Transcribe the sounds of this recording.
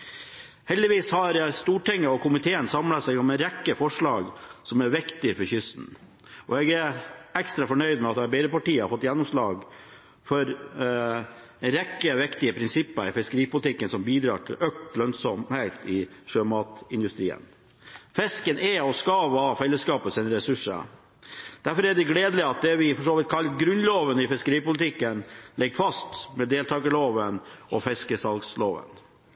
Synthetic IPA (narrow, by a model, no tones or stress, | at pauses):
hɛld̪ɪʋiːshɑɾst̪uːʈɪŋːəɔkʰʊmɪt̪ʰeːənsɑmlɑsɛɪɡɔmɛɾɛkːəfɔʂɭɑːɡsɔmæɾʋɪkt̪ɪfɔɾçʏst̪n̩ | ʔɔɛɡæækst̪ɾɑfɔɳœʏd̪mɛɑt̪d̪æbɛɪɾəpɑʈiːəɑfɔt̪ːjɛnːɔmslɑːɡ | fɔɾ | ɾɛkːəʋɪkt̪ɪəpʰɾɪnsɪpːəɪfɪskəɾiːpʊlɪt̪ʰɪkːənsɔmbiːd̪ɾɑ̰ːʈʰɪ̰lœk̚t̪lœnsɔmheɪt̪ɪʂøːmɑːt̪ɪnd̪ʉst̪ɾiːə̰n | fɛskənɛɔskɑʋɑːfɛlːəskɑːpəsɛnɾɛsʉʂə̰ | d̪̥æɾfɔɾæɖɛɡleːd̪lɪɑt̪̚d̪ɛʋɪfɔʂoːʋɪt̪kʰɑlːɡɾʉnloːʋənɪfɪskəɾiːpʊlɪt̪ʰɪkːənlɛɡfɑst̪mɛd̪eːlt̪ʰɑːɡəloːʋənʔɔfɛskəsɑlɡsloːʋə̰n